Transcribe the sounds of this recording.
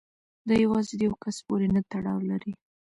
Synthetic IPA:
d̪ɑjawɑzed̪əjawkaspoɾenat̪aɽɑwlaɾi

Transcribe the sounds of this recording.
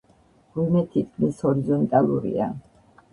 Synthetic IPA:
ɡ̥wimɛt̪ʰit̪̚kʰmishɔɾizɔnt̪ʼalˠṵɾḭa

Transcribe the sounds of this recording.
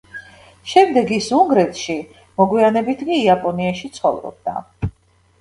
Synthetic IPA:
ʃɛmd̪ɛɡisuŋɡɾɛt̪ʰʃi | mɔɡwianɛbit̪ʰkʼiːapʼɔniaʃit̪sʰχɔ̰vɾɔ̰b̚d̪a̰

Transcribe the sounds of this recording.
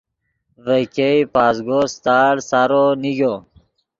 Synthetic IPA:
vəkeipaːzɡost̪aːɽsaɾoniɡo

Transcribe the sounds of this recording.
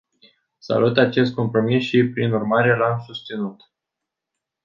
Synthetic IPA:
sa̰lut̪at͡ʃe̞st̪̚ko̞mpɾo̞misʃipɾinurmaɾe̞lamsust̪sinut̪

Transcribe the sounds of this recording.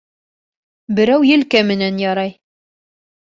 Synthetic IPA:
bɘ̆ɾæwjɘ̆lkæmɘ̆nænjɑɾɑj

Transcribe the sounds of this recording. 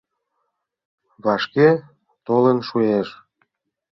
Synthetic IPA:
βɑʃke | t̪olənʃueʃ

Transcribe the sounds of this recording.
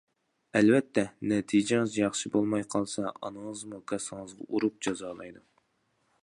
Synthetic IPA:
ɛlvɛt̪ʰːɛnɛt̪ʰid͡ʒɪŋɨzjɑχʃibolˠmɑjqʰɑlˠsɑɑ̰nɨŋəzmukʲʰɑsɨŋəzʁɑ̰ʔuɾup̚d͡ʒɑzɑːlˠɑjd̪u

